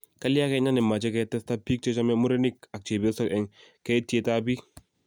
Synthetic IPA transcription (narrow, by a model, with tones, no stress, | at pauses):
ka˦li˦a˦kɛ˦ɲa˦nɪ˨ma˨t͡ʃɛ˦kɛtɛsta˦pi˦k̚t͡ʃɛ˦t͡ʃa˦mɛ˦mu˦ɾe˦ni˦ka˨k̚t͡ʃe˨bɛ˦sɔ˦kɛ˨ŋkɛ˦ti˦e˦ta˦bi˦